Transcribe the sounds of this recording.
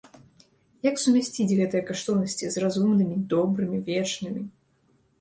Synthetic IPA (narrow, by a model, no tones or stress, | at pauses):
jaksumʲasʲt͡sʲid͡zʲɣɛt̪ɨjɐkaʂt̪ɔwnɐsʲt͡sʲizrazumnɨmʲid̪ɔbɾɨmʲivʲɛt͡ʂnɨmʲi